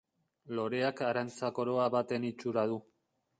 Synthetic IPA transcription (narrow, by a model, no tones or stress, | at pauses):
lo̞ɾe̞akaɾant͡sako̞ɾo̞aβat̪e̞nit͡ʃuɾað̞u